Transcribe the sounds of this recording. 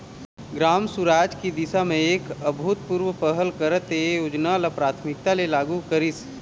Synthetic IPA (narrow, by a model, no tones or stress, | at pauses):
ɡɾaːmsuɾaːd͡ʒkid̪ɪsamẽeːkəbʱut̪̚puɾwəpəɦəlkəɾət̪ejoːd͡ʒnalapɾaːt̪ʰmɪk̚t̪alelaːɡukəɾis